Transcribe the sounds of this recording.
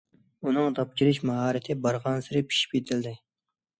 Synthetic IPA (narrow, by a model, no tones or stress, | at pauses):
unɨŋt̪ʰɑp̚t͡ʃʲʰiɾɪʃmɑɦɑːɾɪt̪ʰɪbɑɾʁɑnsɪɾɪpʰi̥ʃi̥p̚kʲet̪ʰɪld̪ɪ